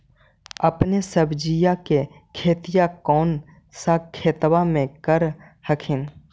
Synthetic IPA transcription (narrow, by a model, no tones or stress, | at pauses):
əpnesəbd͡ʒijake | kʰeːt̪ijakɔːn | sakʰeːt̪wamẽkəɾ | həkʰɪn